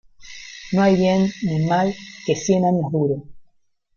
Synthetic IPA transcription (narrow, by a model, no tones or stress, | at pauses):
noajβjenːimalkesjenaɲoðuɾo